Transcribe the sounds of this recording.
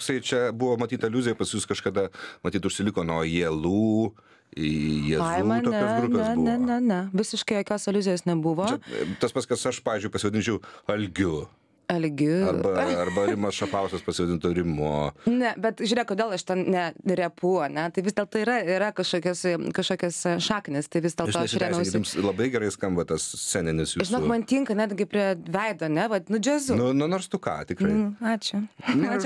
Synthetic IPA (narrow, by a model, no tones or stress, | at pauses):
ksɐɪt͡ʃʲɛbʊʋoːmɐt̪ʲiːt̪ɐɪlʲuːzʲɪjɛpɐsʲjuskɐʃkɐd̪ɐmɐt̪ʲiːt̪ʊʃʲsʲɪlʲɪkoːnoːjiːlˠuː | jɛpzɐɪumɐnt̪oːɛɡɾʊnpeːɛsbnʲɛnʲɛnʲɛʋʲɪsʲɪʃkɐɪjoːkʲoːsɐlʲuzʲɪjoːsnʲɛbʊʋoːt͡ʃɛt̪ɐspɐtskɐsɐʃpɑːʋʲiːzʲd͡ʒʊɪpɐsʲɪʋɐd̪ʲɪnʲt͡ʃʲɛʊɐlʲɡʲʊ | ɐlʲɡʲʊɐrbɐɐrbɐɾʲɪmɐsʃɐpɐʊsʲɛspɐsʲɪʋɐd̪ʲɪnt̪oːɾʲɪmonʲɛbʲɛt̪ʒʲuɾʲeːkkoːd̪ʲeːlˠɐʃt̪ʲɛnnʲɛɾʲɛpʊɐnʲɛt̪ɐɪʋʲɪsd̪ʲelˠt̪oːiɾɐɪɾɐkɐʃkoːkʲɛskɐʃkoːkʲɛsʃɑːknʲɪst̪ɐɪʋʲɪsd̪ʲelʃoːɐɐʃrʲæːmʲɛʊsʲɡʲɪdɪmslˠɐbɐɪɡʲɛɾɐɪskɐmbɐt̪ɐssʲænʲɛnʲɪsjuʒɪnoːkmɐnt̪ʲiːŋkɐnʲɛdɡʲɪpʲɾʲiɛʋʲɛɪd̪oːɐnʲɛʋɐtnʊd͡ʒʲæːzʊnʊnʊnoːɾst̪ʊkɑ̰ːt̪ʲɪkɾɐɪɑːt͡ʃʲʊɑːt͡ʃʲʊ